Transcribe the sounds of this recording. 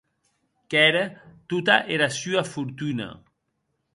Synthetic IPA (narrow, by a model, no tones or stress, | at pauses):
kɛɾət̪ut̪aʔeɾasyafuɾt̪una̰